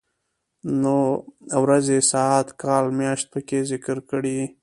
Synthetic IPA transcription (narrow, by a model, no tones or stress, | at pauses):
noawɾazesɑat̪kɑlmjɑʃt̪̚pəkezɪkɾkəɽi